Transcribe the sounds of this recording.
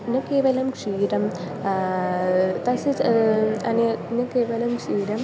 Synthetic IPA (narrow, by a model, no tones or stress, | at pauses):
nɐkːeːʋɐlɐmkʂiːɾɐm | t̪ɐsɨ | ɐnenɐkːeːʋɐlɐmkʂiːɾɐm